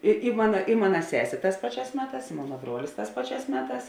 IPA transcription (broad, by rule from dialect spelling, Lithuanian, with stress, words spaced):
ɪ ɪ ˈmɑːnɐ ɪ ˈmɑːnɐ ˈsʲæːsʲeː ˈtɑːs ˈpɑːˌt͡ʃʲæːs ˈmʲæːˌtɑːs ɪ ˈmoːnɐ ˈbruɔlʲɪs ˈtɑːs ˈpɑːˌt͡ʃʲæːs ˈmʲæːˌtɑːs